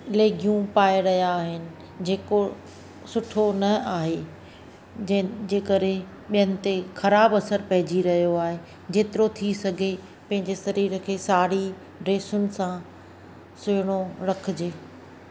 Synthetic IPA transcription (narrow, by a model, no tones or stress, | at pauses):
leːɡʱijũpaːeɪɾɐɦijaːɦɪnɪ̆ | d͡ʑeːko | sʊʈʰonɐaːɦe | d͡ʑeːkɐɾẽ | ɓijənɪ̆t̪exɐɾaːbɐsəɾpɐɦɪd͡ʑiɾɐɦijoaːɦe | d͡ʑeːt̪ɪɾot̪ʰisɐɡʱe | pɐ̃ɦɪ̃ɲd͡ʑesɐɾiːɾəkʰeːsaːɾi | ɖɾeːsʊnɪ̆sã | sʊːɪɽ̃oɾɐkʰɪ̆d͡ʑeː